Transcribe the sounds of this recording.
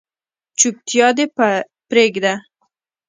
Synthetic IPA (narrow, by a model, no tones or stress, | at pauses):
t͡ʃʊk̚t̪ʰijɑd̪e | pɾeɡd̪a